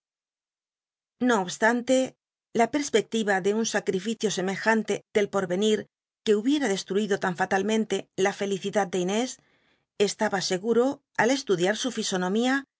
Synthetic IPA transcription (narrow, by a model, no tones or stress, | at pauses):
no̞ːβst̪ant̪e̞ | lape̞ɾspe̞k̚t̪iβaðe̞unsakɾifiθjo̞se̞me̞xant̪e̞ð̥e̞lpo̞ɾβe̞niɾ | ke̞uβje̞ɾaðe̞st̪ɾuiðo̞t̪aɱfat̪almẽ̞nt̪e̞lafe̞liθiðat̪̚d̪eine̞s | e̞st̪aβase̞ɣuɾo̞ | ale̞st̪uðjaɾsufiso̞nõ̞mia